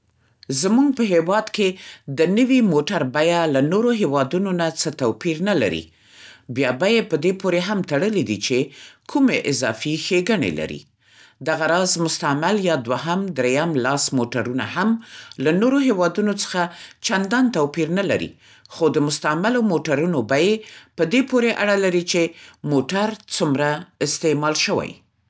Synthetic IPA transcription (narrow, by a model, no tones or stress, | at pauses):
zmuɡ̚pəɦewɑd̪ked̪ənəwimoʈaɾbajalanoɾoɦewɑd̪unonat͡sət̪awpiɾnala̰ɾḭ | bjɑbajepəd̪epoɾeɦamt̪aɽəlid̪it͡ʃekʰumeʔɪzɑ̰fixeɡaɳḛla̰ɾḭ | d̪aɣaɾɑzmʊst̪amaljɑd̪waɦamd̪ɾejamlɑsmoʈaɾuna̰hamlanoɾoɦewɑd̪unot͡sə̥xat͡ʃand̪ɑnt̪awpiɾnala̰ɾḭ | xod̪əmʊst̪amalomoʈaɾunobajepəd̪epoɾeʔaɽalaɾit͡ʃemoʈaɾt͡sumɾaɪst̪emɑlʃəwa̰j